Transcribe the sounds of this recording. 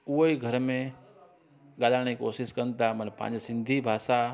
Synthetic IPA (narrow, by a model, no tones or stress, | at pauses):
uɦoiɡʱɐɾmẽ | ɠaːlaːɽ̃ikoːsɪskɐnt̪amɐnpã̰ːɲd͡ʑsɪ̃nd̪ʱibʱaːʃa